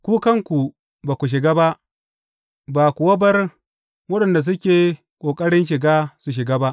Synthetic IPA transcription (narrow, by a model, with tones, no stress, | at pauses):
kʷuː˦kɐ˦˨ŋkʷu˨ | baː˨kʷu˨ʃ̬ɪ˨ɡaː˦ba˦ʔ | baː˨kʷu˨wɐ˦bɐ˦r | wɐ˦ɗɐ˨nda˨s̬ʊ˦kʲeː˨ | kʷʼoː˨kʼɐ˦ɽɪ˦nʃɪ˨ɡaː˦su˨ʃ̬ɪ˨ɡaː˦ba˦ʔ